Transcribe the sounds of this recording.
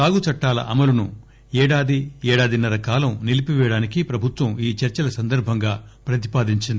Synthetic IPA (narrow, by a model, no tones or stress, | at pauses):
aːɡut͡ʃɐʈːaːlɐ̰ʔɐmɐlɐnu | ɛːɽaːd̪iɛːɽaːd̪inɐɾɐkaːlɐmnilipiʋɛːɽaːnikipɾɐbʱut̪ʋɐmiːt͡ʃɐɾt͡ʃɐlɐsɐnd̪ɐɾbʱɐŋɡaːpɾɐt̪̬i̥paːd̪iɲt͡ʃind̪i